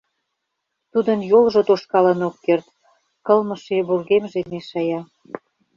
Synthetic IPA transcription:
t̪ud̪ənjolʒot̪oʃkɑlə̆nokːert̪ | kɤlmɤ̆ʃeβurɣemʒemeʃɑjɑ

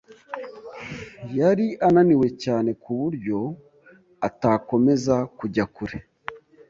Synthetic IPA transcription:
jaɾiananiwe̞caːne̞kʰuβuɾɟo̞ | atako̞me̞zakuɟakuɾe

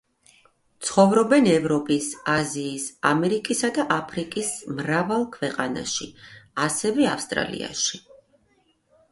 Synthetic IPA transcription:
t̪sʰχɔvɾɔbɛnɛvɾɔpʼisaziːsamɛɾikʼisad̪aʔapʰɾikʼismɾavalˠkʰvɛqʼana̰ʃiasɛvɛafst̪ʼɾa̰lḭa̰ʃi

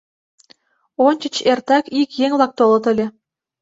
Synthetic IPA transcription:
onʲt͡ɕə̆t͡ɕert̪ɑkikjeŋvlˠɑk̚t̪olˠɤ̆t̪ɘ̆lʲĕ

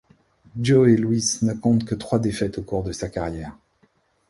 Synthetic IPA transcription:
d͡ʒoelwisnəkɔ̃t̪kət̪χwad̪efɛt̪okuʁd̪əsakaʁjɛːʁ

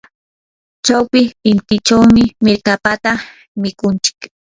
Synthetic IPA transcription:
t͡ʃawpɪʃɪnt̪ɪt͡ʃawmɪmɪɾkapat̪a | mɪkʊnt͡ʃɪ̥k

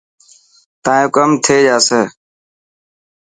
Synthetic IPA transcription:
t̪ãːjõːkəmt̪ʰeːd͡ʒaːseː

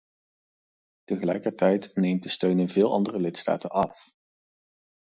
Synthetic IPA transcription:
təχəlɛ̰jkəɹtɛjtnejmt̚dəstøɥnɪnvɪːlˠʔɑ̰ndərəlɪtsta̰ːtənɑf

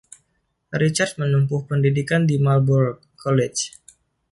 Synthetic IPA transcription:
ɾit͡ʃart̪̚mənumpʊhpəndidikandimalbur | kʰolɛt͡ʃ

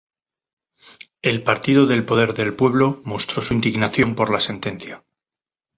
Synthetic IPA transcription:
e̞lpaɾt̪iðo̞ðe̞lpo̞ðe̞ɾðe̞lpwe̞β̞lo̞mo̞st̪ɾo̞suind̪iɣnaθjo̞mpo̞ɾlase̞nt̪e̞n̟θja

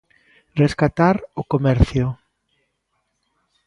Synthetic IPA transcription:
reskat̪aɾʊkomɛɾθjʊ

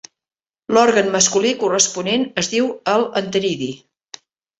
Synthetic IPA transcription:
lɔɾɣənməskulikurəspunenəzðiwəlˠənt̪əɾiði

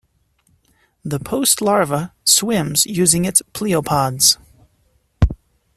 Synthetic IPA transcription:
ðəpʰoʊstʰˡlɑɹvəswɪ̃mz̥jʉzɪ̃ŋɪtspʰl̥iəpʰɑdz̥

